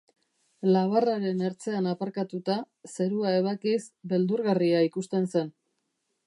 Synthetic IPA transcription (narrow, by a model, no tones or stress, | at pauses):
laβ̞araɾe̞neɾt͡se̞anapaɾkat̪ut̪a | se̞ɾuaeβ̞akisbe̞ld̪uɾɣariaikust̪e̞nse̞n